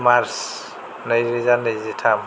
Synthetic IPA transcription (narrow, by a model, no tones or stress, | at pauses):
maɾs | najɾizanəjzitʰam